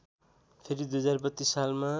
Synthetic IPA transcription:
pʰeɾid̪ujʌd͡zarbʌt̪ːisːalma

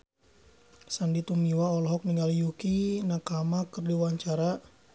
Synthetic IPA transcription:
sandit̪umiwaɔlɔɦɔk̚niŋɡalijukinakamakɨrdiwaɲt͡ʃaɾa

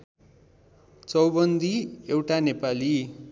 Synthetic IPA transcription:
t͡sʌwbʌnd̪ʱiewʈanepali

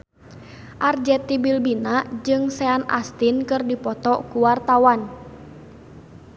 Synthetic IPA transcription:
ʔard͡ʒɛt̪ibilbinad͡ʒɨŋsɛana̰st̪inkɨrdipɔt̪ɔkuwart̪awan

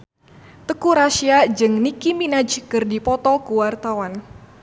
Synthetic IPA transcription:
t̪əkuɾaʃiad͡ʒɨŋnikiminad͡ʒkɨrdipɔt̪ɔkuwart̪awan

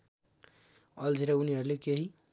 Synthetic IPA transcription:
ʌld͡ʒʱiɾauniɦʌɾulekeɦi

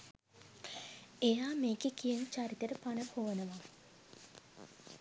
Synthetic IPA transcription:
ejaːmeːkekijənt͡ʃaɾit̪əɾəpanəpoʋənəʋa

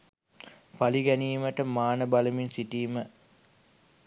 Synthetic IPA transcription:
paliɡæniːməʈəmaːnəbaləminsiʈiːmə

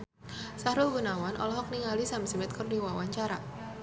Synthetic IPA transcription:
sahɾulɡunawanʔɔ̰lɔɦɔk̚niŋalisamsimɛt̪̚kɔrdiwawaɲt͡ʃaɾa

